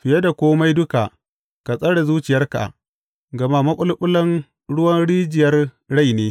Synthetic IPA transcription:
ɸɪ˨je˦da˨kʷoː˦ma˦jdʊ˦ka̰˨ʔ | ka˨sʼɐ˦ɽe˨zuː˦t͡ʃɪ˨jɐ˦rka̰˨ʔ | ɡɐ˨ma˦mɐ˦kʷʼʊ˦lkʼʊ˦lɐ˦n | ɽʊ˦wɐ˦nɽiː˦d͡ʒɪ˨jɐ˦r | ɽa˦˨jneː˦

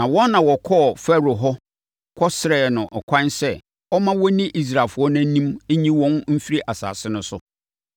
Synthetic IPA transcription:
nã˨wɔ̃˦n˦nã˨wɔ˨kʰɔ˦˨fɛ˦ɾo˨ɦɔ˦ | kʰɔ˦sɪ˦ɾɛ˨nʊ̃˨ʔɔ˨kʷʰã˦nsɛ˦ | ɔ˦mã˦wɔ˦nĩ˦ʔi˦s̬ɾa˨fʊ˨˦ɔ˦nã˦nĩ˦me˦ɲĩ˦wɔ̃˦nm̩˦fi˦ɾi˦ʔa˨sa̰ː˨sɪ˦nʊ̃˦sʊ˦

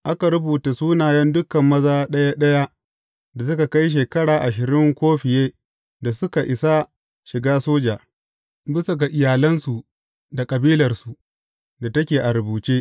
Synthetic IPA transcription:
ʔa˦ka˨ɾʊ˦buː˨ta˨suː˦naː˨jɐ˦ndʊ˦kɐ˨mːɐ˦zaː˦ɗɐ˦ja˦ɗɐ˦ja˦ | da˨s̬ʊ˦ka˨ka˦jʃ̬eː˨kɐ˦ɽaː˨ʔa˨ʃɪ˨ɾɪ˦ŋkʷoː˦ɸɪ˨jeː˦ | da˨sʊ˦ka˨ʔɪ˨sa˦ | ʃɪ˨ɡaː˦soː˦d͡ʒaː˨ | bɪ˦sɐ˨ɡa˨ʔɪ˨jaː˨lɐ˦nsu˨ | da˨kʼɐ˨biː˦lɐ˨rsu˨ | da˨tɐ˦kʲeː˨ʔa˨ɾʊ˨buː˨t͡ʃeː˦

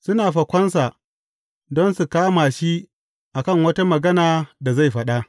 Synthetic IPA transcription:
sʊ˦naː˨ɸɐ˨kʷɔ˦nsa˨ | dɔ˦nsu˨kaː˦maː˨ʃi˦ | ʔa˨kɐ˦˨ŋwɐ˦ta˦mɐ˨ɡɐ˦naː˨da˨za˦˨jɸɐ˦ɗa˦ʔ

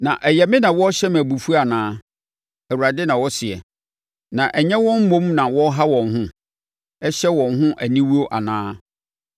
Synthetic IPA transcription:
nã˨ʔɛ˨jɛ˨mɪ̃˦nã˨wɔ˦ɕɛ˦mæ˨bu˨fu˦a˨nãː˦ | æ˨wu˨ɾa˨dɪ˦nã˨wɔ˦sɪ˨ɛ̰˨ | nã˨ʔɛ˨ɲɛ̃˦wɔ̃˦m̩˦mõ˦mnã˨wɔ˦ɦa˦wɔ̃˨nɦʊ̃˦ | ɛ˦ɕɛ˦wɔ̃˨nɦʊ̃˦ʔæ˨nĩ˦wu˦o˦ʔa˨nãː˦

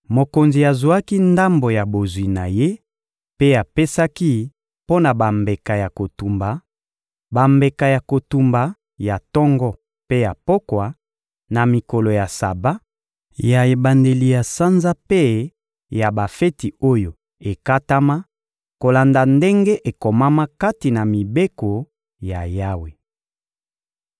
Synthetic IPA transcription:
mo˨ko˨nzi˨a˨zu˨a˦ki˦nda˦mbo˨ja˨bo˨zwi˨na̰˨je˦ | pe˦a˨pe˦sa˦ki˦ | po˦na˨ba˨mbe˨ka˨ja˨ko˨tu˨mba˨ | ba˨mbe˨ka˨ja˨ko˨tu˨mba˨ | ja˨tɔ˦ŋɡɔ˦ | pe˦ja˨po˦kwa˨ | na˨mi˨ko˨lo˨ja˨sa̰˨ba˦ | ja˨e˨ba˨nde˨li˨ja˨sa˦nza˦pe˦ | ja˨ba˨fe˦ti˨o˦jo˨ | e˨ka˦ta˦ma˦ | ko˨la˨nda˨nde˦ŋɡe˦ʔe˨ko˨ma˦ma˦ka˦ti˨na˨mi˨be˦ko˨ | ja˨ja˦we˨

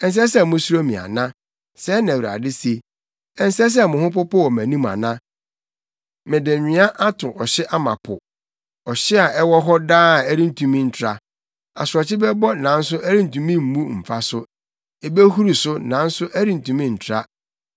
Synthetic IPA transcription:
ɛ˨n̩˦s̬ɛ˦sɛ˦˨mʊ̃˦su˦ɾo˦mĩ˨a̰˨nã˦ | sɛː˦nã˨wɾa̰˨dɪ˦se˦ | ɛ˦n̩˦sɛ˦s̬ɛ˦mʊ̃˨hʊ̃˦pʊ˦pɔ˦wɔ˨mæ̃˨nũ˦ma̰˨nã˦ | mɪ̃˨dɪ˨ɲᶣɪ̃˨˦a˦ʔa˦tʰʊ̃˨ʔɔ˨ɕɪ˦ʔa˦mã̰˨pʰʊ˨ | ɔ˨ɕɪ˦a˨ʔɛ˦wɔ˦ɦɔ˦daː˦˨æ˦ɾĩ˦n̩˨tʰũ˨mĩ˦n̩˨tʰɾa˨ | a̰˨sʊ˨ɾɔ˨t͡ɕʰɪ˦bɛ˦bɔ˦nã˨˦n̩˦sʊ˦æ˦ɾĩ˦n̩˨tũ˨mĩ˦m̩˨˦mũ˦m̩˨fa˦sʊ˦ | e˨be˦hu˦ɾu˨sʊ˦nã˨˦n̩˦sʊ˦ʔæ˦ɾi˦n̩˨tũ˨mĩ˦n̩˨tʰɾa˦

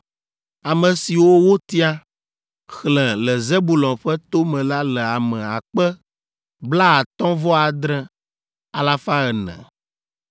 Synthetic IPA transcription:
a˨mə̃˨si˨wo˦wo˦t̪i˦a˦ | xlɛ̃˨lɛ˨ze˦bu˦˨lɔ̃˨ɸɛ˦t̪o˦mɛ̃˨la˦lɛ˨a˨mɛ̃˨a˨k͡pɛ˦ | bla˦a˨t̪ɔ̃˦vɔ˦a˨d̪ɾɛ̃˦ | a˨la˦fa˦ɛ˨nɛ̰̃˨

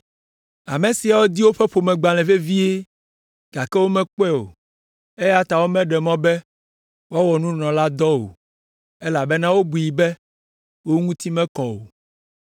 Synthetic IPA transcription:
a̰˨mẽ˨si˨a˨wo˦d̪i˦wo˦ɸɛ˦ɸo˨mɛ̃˨ɡ͡ba˨l̃ɛ̃˨ve˦vi˦e˦ | ɡ̥a˨kɛ˦wo˦mɛ̃˦k͡pɛ˦o̰˨ | e˦ja˦t̪a˨wo˦mɛ̃˦ɖɛ˨mɔ̃˦bɛ˦ | wa˦wɔ˨nũ˦nɔ̃˨la˦d̪ɔ˦o̰˨ | ɛ˦la˨bɛ˦nã˦wo˦bu˨ji˨bɛ˦ | wo˦ŋũ˦t̪i˦mɛ̃˦kɔ˨o˨

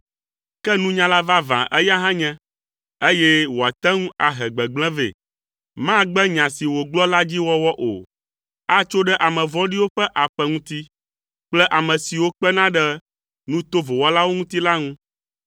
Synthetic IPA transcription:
kɛ˦nũ˦ɲã˦la˦va˦vã̰˨ʔɛ˦ja˦ɦã˦ɲɛ̃˦ | e˦jɛ˦wo˨a˨t̪ɛ˦ŋũ˦a˨ɦɛ˨ɡ͡bɛ˨ɡ͡blɛ̃˦vḛ˨ | mã˦ɡ͡bɛ˦ɲã˨si˨wo˨ɡ͡blɔ˦la˦d͡ʑi˦wɔ˦wɔ˦ʔo̰˨ | a˦t͡ʃo˦ɖɛ˦ʔa˨mɛ̃˨vɔ˦ɖi˦wo˦ɸɛ˦ʔa˨ɸɛ˦ŋũ˦t̪i˦ | k͡plɛ˦ʔa˨mɛ̃˨si˨wo˦k͡pɛ˦nã˦ɖɛ˦ | nũ˦t̪o˦vo˨wɔ˦la˦wo˦ŋũ˦t̪i˦la˦ŋũ˦

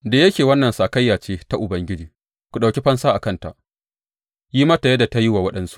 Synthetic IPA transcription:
daː˨jɐ˦kʲeː˨wɐ˦nːɐ˨nsaː˨kɐ˦jːaː˨t͡ʃeː˦ta˦ʔʊ˨bɐ˦ŋɡʲɪ˦d͡ʒiː˨ | kʷu˨ɗa˨kʲi˦ɸɐ˦nsaː˦ʔa˨kɐ˦˨nta˨ʔ | jiː˦ma˦ta˨je˦da˨ta˦ji˦waː˨wɐ˦ɗɐ˦nsu̥˦ʔ

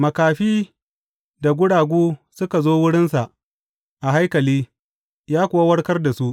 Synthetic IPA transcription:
mɐ˨kaː˨ɸiː˦ | da˨ɡʷʊ˦ɽaː˨ɡʷuː˦sʊ˦ka˨zoː˦wʊ˦ɽɪ˦nsa˨ʔ | ʔa˨ɦa˦jkɐ˨liː˦ | jaː˦kʷʊ˨wa˦wɐ˦rkɐ˦rda˨su˦ʔ

